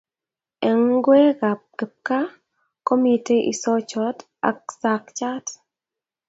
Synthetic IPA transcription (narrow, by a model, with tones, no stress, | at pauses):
ɛ˨ŋɡwɛ˦ka˨p̚kɛ˨p̚ka˦ | ko˦mi˨te˦ʔḭ˨sɔ˦t͡ʃɔ˨t | a̰˨k̚sa˨kt͡ʃa˦t